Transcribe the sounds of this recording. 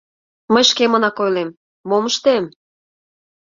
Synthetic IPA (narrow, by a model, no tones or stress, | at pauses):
məjʃkemə̆nɑkojlemː | oməʃt̪em